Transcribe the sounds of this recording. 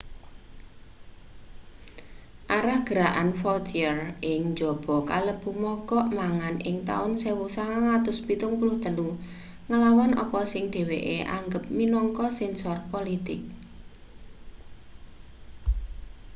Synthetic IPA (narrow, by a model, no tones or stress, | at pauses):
ʔaɾahɡ̥əɾaʔanfɔt̪iərɪŋd͡ʒɔ̤b̥ɔ̤kaləb̥umɔkɔʔmaŋanʔɪ̰ŋt̪a̰ʊnsewusaŋaaŋat̪ʊspit̪ʊŋpulʊht̪əlu | ŋalawanʔɔ̰pɔsɪŋd̪̥e̤wḛʔḛʔa̰ŋɡəp̚minɔŋkɔsɛnsɔrpolit̪ɪk̚